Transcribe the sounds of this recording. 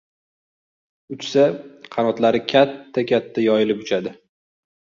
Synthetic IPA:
ʊt͡ʃsaqʰɑnɒt̪laɾɪkʲʰat̪ʰːakʲʰat̪ʰːajɒjɪlɪpʊt͡ʃʰad̪ɪ

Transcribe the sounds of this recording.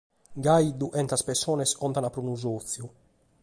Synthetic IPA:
ɡaid̪uʔɛnt̪aspɛsɔːnɛsɔnt̪anapːɾunuzot̪θːju

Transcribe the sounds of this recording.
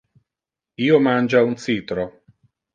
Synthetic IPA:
iːomand͡ʒaunt̪siːt̪ɾo

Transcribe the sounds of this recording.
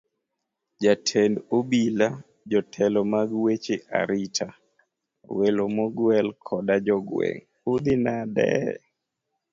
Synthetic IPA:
d͡ʒatʰendobila | d͡ʒɔtʰɛlɔmaɡwet͡ʃeʔa̰ɾitʰa | welomoɡwɛlkʰɔdad͡ʒɔɡwḛŋ | ud̪inadɛ̰

